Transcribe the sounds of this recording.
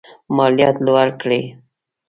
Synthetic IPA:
mɑljɑt̪lwaɾkɽe

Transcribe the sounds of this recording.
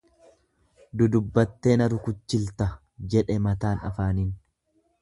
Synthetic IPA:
d̪ʊd̪ʊbːɐt̪ːe̞ːnɐɾʊkʊt͡ʃːɪlt̪ɐ | d͡ʒɛᶑɛmɐt̪aːnɐ̰faːnin

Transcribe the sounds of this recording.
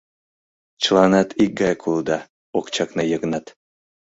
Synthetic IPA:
t͡ɕəlˠɑnɑt̪ʰik̚ɡɑjkʰulˠd̪ɑ | okt͡ɕɑknɤjɤɣnɑt̪

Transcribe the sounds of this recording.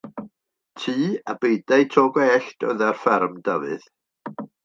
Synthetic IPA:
tʰiːabejdajtʰɔːɡɔɛɬtə̰ðarfɛrmdəvɨð

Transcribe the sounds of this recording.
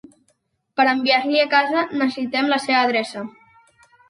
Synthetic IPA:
pəɾəmbiaɾliəkazənəsəsit̪ɛmləseβəːðɾɛsə

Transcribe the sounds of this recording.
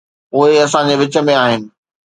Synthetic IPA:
ʊɦeɐsãd͡ʑeʋɪt͡ɕə̆mẽaːɦɪnɪ̆

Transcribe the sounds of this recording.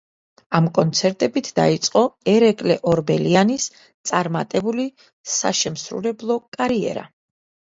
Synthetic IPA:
amkʼɔnt̪sʰɛɾt̪ʼɛbit̪ʰd̪a̰it̪sʼqʼɔɛɾɛkʼlɛʔɔɾbɛlianis | t̪sʼaɾmat̪ʼɛbuli | sa̰ʃɛmsɾṵɾɛblˠɔkʼaɾiɛ̰ɾa̰

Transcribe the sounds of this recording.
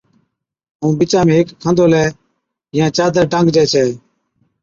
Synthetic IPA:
ɦũːbɪt͡ʃãːmẽːɦɪkʰːə̃nd̪oːlɛː | jãːt͡ʃaːd̪əɾɖə̃ŋɡd͡ʒɛːt͡ʃʰɛː

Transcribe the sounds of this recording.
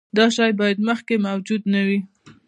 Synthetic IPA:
d̪ɑʃɑjbɑjad̪məxkemawd͡ʒud̪nawi

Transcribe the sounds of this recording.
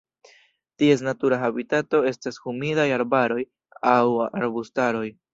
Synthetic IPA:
tie̞s̬natuɾaɦabitato̞e̞stashumidajaɾbaɾo̞j | awa̰ɾbustaɾo̞j

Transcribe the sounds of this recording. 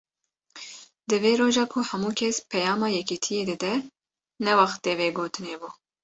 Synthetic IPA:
d̪ɨveːɾoːʒɑːkʰuhɛmuːkʰɛspʰɛjɑːmɑːjɛkit̪ʰijeːd̪ɨd̪ɛ | nɛwɑxt̪eːveːɡoːt̪ʰɨneːbuː

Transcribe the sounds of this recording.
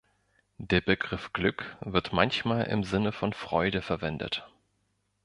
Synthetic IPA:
d̥eːɐbəɡʁɪfɡ̥lʏkv̥ɪɐtmançmaːlʔɪ̰mzɪnəfɔnfʁ̥ɔʏdəfɛɐvɛndə̰t

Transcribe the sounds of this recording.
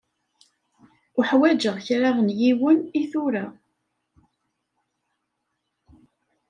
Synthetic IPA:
ʊħwæd͡ʒəʁçɾaʁənjiwəniθuɾa

